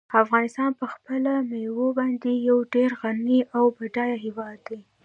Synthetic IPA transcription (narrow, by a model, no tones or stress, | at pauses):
afɣɑnɪst̪ɑnpəxpəlamewobɑnd̪ejawɖeɾɣaniʔawbaɖɑjaɦewɑd̪ːa